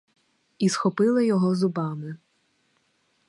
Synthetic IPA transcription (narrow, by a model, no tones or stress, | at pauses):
isxɔpɪlˠɪjɔɦɔzʊbɑmɪ